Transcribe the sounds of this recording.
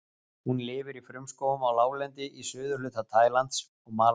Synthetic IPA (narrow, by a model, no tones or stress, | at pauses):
hunlɪːvʏɾifɾʏmskoːwʏmawlaːwlɛnt̪ɪʔisʏːðʏɾ̥lʏːt̪at̪ʰaːjlant̪s | ɔɣmaː